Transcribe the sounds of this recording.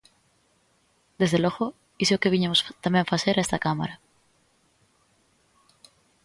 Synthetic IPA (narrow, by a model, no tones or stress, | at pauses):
d̪ezðeloɣo | iseokeβiɲamost̪amjeɱfaseɾaest̪akama̰ɾa